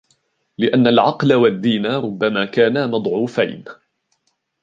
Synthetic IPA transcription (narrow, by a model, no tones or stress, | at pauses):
lɪʔanːalʕɑqlawad̪ːiːnaɾʊbːamaːkaːnaːmɑd̪ˤʕuːfa̰jn